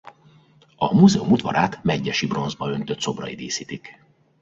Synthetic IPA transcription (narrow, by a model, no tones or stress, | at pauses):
ɒmuzɛumud̪ʋɒ̰ɾaːt̪mɛɟːɛʃibro̞nzbɒø̞nt̪ø̞t̪so̞brɒid̪eːsiːt̪ik